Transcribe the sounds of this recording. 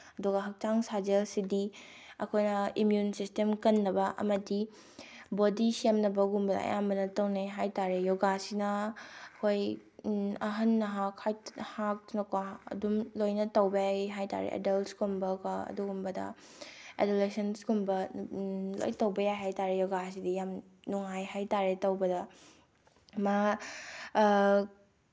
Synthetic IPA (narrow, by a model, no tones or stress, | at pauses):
ɐduɡɐɦɐk̚taŋsad͡ʒelsidi | ɐ̰kʰojnɐimjunsistemkɐnːɐbɐʔɐ̰mɐdi | bodisemnɐbɐɡumbɐdɐ̰ɐ̰jambɐnɐtɐwneɦajtaɾejoɡasinɐɐkʰoj | ɐɦɐnːɐɦakhajhak̚nɐkwaɐ̰dumlojnɐtɐwbɐaɦajta̰ɾḛʔḛdɐltsɡumbɐkwaɐ̰duɡumbɐdɐ̰ | ḛdulesɐnsɡumbɐ | lo̰jtɐwbɐjaɦajtaɾejɔɡas̬idijamnuŋajɦajtaɾetɐwbɐdɐ | ma